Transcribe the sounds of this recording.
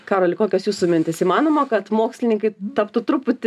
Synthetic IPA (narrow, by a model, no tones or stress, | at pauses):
kɑːɾoːlʲɪkoːkʲosjuːsʊmʲɪnʲt̪ʲɪsiːmɑːnoːmɐkɐt̪moːksʲlʲɪnʲɪŋkɐɪt̪ɐpt̪ʊt̪ɾʊpʊt̪ʲɪ